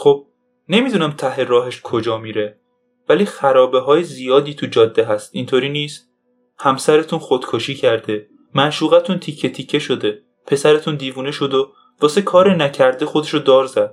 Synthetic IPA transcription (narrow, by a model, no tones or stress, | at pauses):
χob̥̚ | ne̞mid̪unæmt̪ʰæɦeɾɒːɦeʃkʰo̞d͡ʒɒːmiːɾe | væliːxæɾɒːbe̞ɦɒːjezijɒːd̪iːt̪ʰud͡ʒɒːd̪ːe̞ɦæst̪int̪ʰoːɾiːniːst̪ | hæmsæɾe̞t̪ʰunxod̪̥kʰoʃiːcʰæɾd̪e̞ | mænʃuːɣæt̪ʰunt̪ʰicʰːet̪ʰicʰːe̞ʃo̞d̪e̞ | pʰe̞sæɾe̞t̪ʰund̪iːvuːneʃo̞d̪o | vɒːse̞kʰɒːɾenæcʰæɾd̪e̞xod̪e̞ʃod̪ɒːɾzæd̪̥